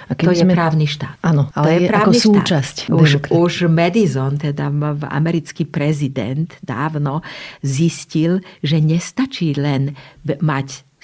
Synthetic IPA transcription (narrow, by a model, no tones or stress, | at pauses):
akɛɔjɛɛɾaːʊniʃt̪aːt̪anɔaljɛpɾaːknisut̪ːt͡ʃascuʒmɛd̪izɔnt̪ɛd̪aa̰mɛɾit͡skiːpɾɛzid̪ɛ̰nd̪d̪a̰ːwnɔziscilʒɛɲɛst̪at͡ʃiːlɛnmac